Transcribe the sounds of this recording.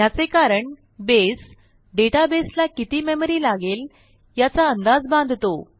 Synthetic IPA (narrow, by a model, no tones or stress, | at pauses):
jat͡sekaɾəɳ | bes | ɖeʈabeslakit̪iːmeməɾiːlaɡel | jat͡saənd̪ad͡zbãnd̪ʱt̪o